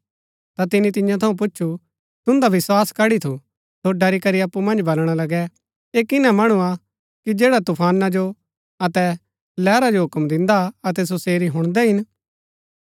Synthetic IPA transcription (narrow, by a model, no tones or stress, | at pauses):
t̪at̪ɪnĩt̪ɪ̃jãt̪ʰɐũp̬ʊt͡ʃːʃʰu | t̪ʊ̃nd̪aʋɪswaːskɐɽit̪ʰu | soɖɐɾikɐɾiɐpːumɐ̃nd͡ʒbɐlɽ̃alɐɡɛ | eːkɪnãmɐɽ̃ua | kid͡ʒeːɽat̪ʊpʰaːnad͡ʒo | ɐt̪ɛ | lɛːɾad͡ʒoɦʊkəmd̪ɪ̃nd̪aɐt̪̬ɛs̬oseːɾiɦʊ̃ɽ̃d̪ɛɦɪn